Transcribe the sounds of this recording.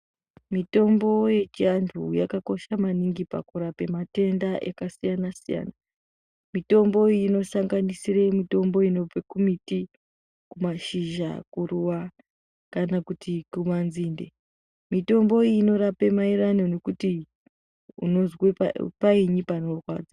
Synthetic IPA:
mito̞mbo̞je̞t͡ʃiantʰuja̰kako̞ʃamaniŋɡipa̰kuɾape̞mate̞ndaʔḛkasijanasija̰na | mito̞mbo̞ːno̞saŋɡanisiremito̞mbo̞ino̞b͡vekumiti | kumaʃiʒa̰kuɾuwa | kanakutikumanziːnde | mito̞mbo̞iːno̞ɾape̞maiɾanone̞kuti | ṵno̞zwepapaiɲipanokwa̰ːd͡za

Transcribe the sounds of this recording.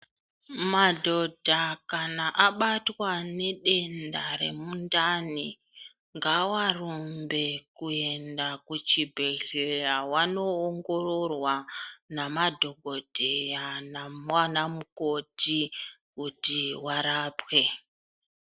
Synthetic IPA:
madʱo̞dʱakanaʔaɓatwane̞ɗe̞ndaɾe̞̰mundani | ŋɡawarumbe̞kue̞ndakut͡ʃibʱeɮeawano̞ːŋɡo̞ro̞rwanamadʱo̞ɡʱo̞dʱejanamwanamuko̞tʰi | kutiwaɾaːpwe̞

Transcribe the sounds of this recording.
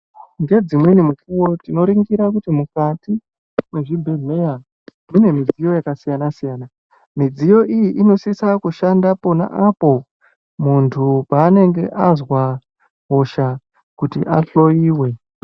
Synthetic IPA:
ŋɡe̞d͡zimwenimukuwo̞tino̞ɾiŋɡiɾakutimukati | mwe̞ʐibʱemeja | mine̞mid͡zijo̞jakasijanasijaːna | mid͡zijo̞ʔijiʔino̞sisakuʃandapo̞na̰ʔapo̞ | muntʰupaːne̞ŋɡe̞ʔazwa | ɦo̞ʃa | kutḭʔaɬo̞jiːwe̞

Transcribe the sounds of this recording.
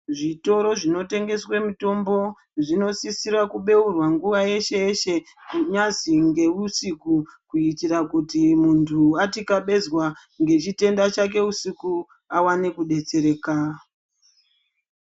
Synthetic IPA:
ʐito̞ɾo̞ʐino̞te̞ŋɡe̞swemito̞mbo̞ | ʐino̞sisirwakuɓe̞urwaŋɡuʋaje̞ʃe̞ʃe | kuɲaziŋɡe̞usikukuitirakutimuntʰuatikaɓe̞zwa | ŋɡe̞t͡ʃite̞ndat͡ʃak̬e̞usiku | awane̞kuɗe̞t͡se̞ɾe̞ːka

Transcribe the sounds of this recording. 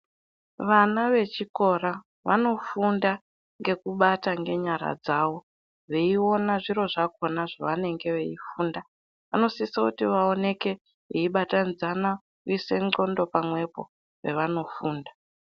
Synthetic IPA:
ʋanaʋe̞t͡ʃiko̞ɾa | ʋano̞funda | ŋɡe̞kuɓataŋɡe̞ɲaɾa̰d͡zaːwo̞ | ʋe̞io̞naʐiɾo̞ʐako̞naʐaʋane̞ŋɡe̞ʋe̞ifuːnda | ʋano̞sisakutiʋaone̞ke̞ | iiɓatand͡zana | ise̞ŋo̞ndo̞pamwe̞po̞̰ | ʋe̞ʋano̞fuːnda

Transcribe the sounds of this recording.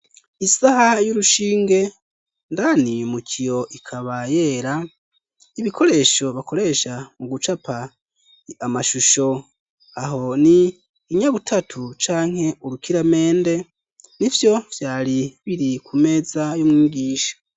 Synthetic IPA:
isahajuɾuʃiːŋɡe̞ | ndanimukʰijo̞ʔikʰaβaje̞ːɾa | iβikʰo̞ɾe̞ːʃo̞βako̞ɾe̞ʃamuɡut͡ʃapa | amaʃuʃo̞ | aɦo̞niː | ɲaβutʰatʰut͡ʃaːŋ̥he̞uɾukiɾame̞ːnde̞ | nivjo̞v̥jaːɾiβiɾikʰume̞zajumŋiːɡiːʃḁ

